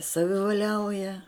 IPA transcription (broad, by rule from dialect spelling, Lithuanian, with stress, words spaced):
sɐʋʲɪʋɐˈlʲɛʊjɛ